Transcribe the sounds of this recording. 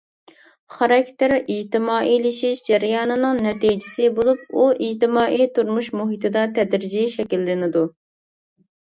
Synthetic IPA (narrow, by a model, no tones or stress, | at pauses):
χɑɾɑkʲt̪ɪɾid͡ʒt̪ɪmɑːʔilɪʃiʃd͡ʒɛɾjɑːnɨnɨŋnɛt̪ijd͡ʒɪsɪbolˠup̚uʔid͡ʒt̪ɪmɑːʔit̪uɾmuʃmuɦit̪ʰɨd̪ɑt̪ʰɛd̪ɾɪd͡ʒiʃɛkʲilːɪnɪd̪u